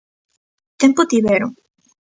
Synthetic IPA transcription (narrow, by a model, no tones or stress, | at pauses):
t̪empot̪iβeɾo